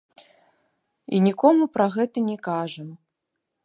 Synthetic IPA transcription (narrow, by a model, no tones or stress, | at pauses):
ḭnʲikɔmupɾɐɣɛt̪ɐnʲɛkaʐɐm